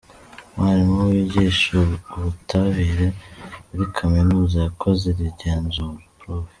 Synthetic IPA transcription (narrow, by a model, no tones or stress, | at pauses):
waɾimuβiɟiʃoβutʰaβiɾeuɾikʰaminuːzajakʰo̞zeɾiɾɟeːnzuɾɾof